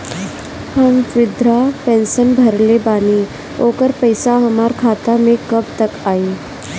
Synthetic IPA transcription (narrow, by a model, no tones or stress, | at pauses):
həmʋɪd̪ʱɾapɛ̃ːnsənbʱɐɾlebaːni | oːkəɾpəɪsaɦɐmaːɾkʰaːt̪amẽkɐb̚t̪ɐkaːi